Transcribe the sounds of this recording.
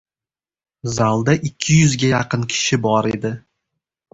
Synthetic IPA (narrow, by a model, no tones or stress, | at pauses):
zalˠd̪aʔɪkʲʰːɪjʊzɡʲajɑqɨnkʲʰɪ̥ʃɪbɒɾe̞d̪ɪ